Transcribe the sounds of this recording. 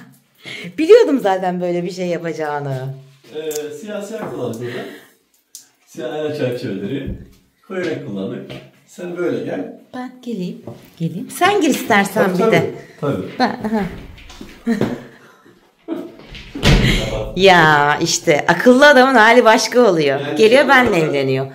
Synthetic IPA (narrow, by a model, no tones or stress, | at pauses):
b̥ilʲijo̞d̪umzaːt̪ʰænbø̞jlʲɛbiʃe̞jːapad͡ʒaːnɯɛsijaːsijakʰulˠːanɯd̪ed̪an | sijanʲanɛt͡ʃʰæɾt͡ʃʰeved̪eɾɪ | kʰojanɛkʰulˠːanmak | sænbø̞jlʲɛɟælʲb̥ænɟelʲijmɟ̥elʲijimsænɟiɾist̪æɾsænbid̪ɛt̪ʰabibæɦã | jaiʃt̪ʰɛʔakʰɯlˠːɯad̪amɯnhaːlʲibaʃkaolˠujoɟe̞lʲijo̞bænlɛɛvlʲe̞nijo